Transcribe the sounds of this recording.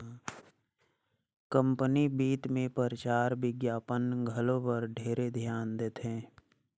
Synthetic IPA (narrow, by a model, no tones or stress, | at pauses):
kə̃mpənibiːt̪mẽpəɾət͡ʃaːɾʋɪɡjaːpənɡʱəlõpəɾɖʱeːɾed̪ʱjaːnd̪eːt̪ʰɦẽː